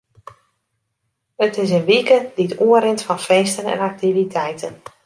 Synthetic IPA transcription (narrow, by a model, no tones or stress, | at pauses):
ətɪsənʋikədiətuəɾɪntfɔnfeːstənɛ̰nak̚tivitʰɛjtʰən